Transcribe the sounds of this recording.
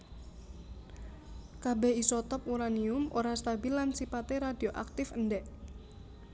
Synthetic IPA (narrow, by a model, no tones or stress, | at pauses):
kabeisɔt̪ɔp̚uɾaniʊmʔoɾast̪abilːansipat̪eɾadioʔak̚t̪ɪfəndɛʔ